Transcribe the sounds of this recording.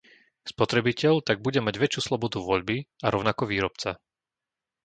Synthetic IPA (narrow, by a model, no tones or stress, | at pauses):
spɔt̪ɾɛbicɛʎt̪aɡ̚buɟɛmaɟʋɛt͡ʃjuːslɔbɔd̪uʋɔʎbiaɾɔʊnakɔʋiːɾɔpt͡sa